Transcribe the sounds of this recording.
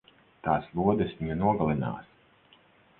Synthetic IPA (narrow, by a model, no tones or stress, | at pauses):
t̪aːslˠuɔd̪ɨsvʲiɲunuɔɡalˠina̰ːs